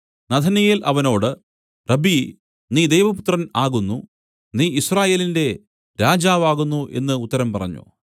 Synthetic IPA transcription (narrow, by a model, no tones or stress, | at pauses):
nɐd̪ʰʱɐnɐjilʔɐʋɐno̞ːɽɨ | rɐbi | niːd̪ejʋɐput̪rɐnaːɣunːu | niːisraːje̞ːlinde̞ | ɾaːd͡ʑaːʋaːɣunːuʔe̞̰nːɨut̪ːɐɾɐmpɐrɐ̰ɲːṵ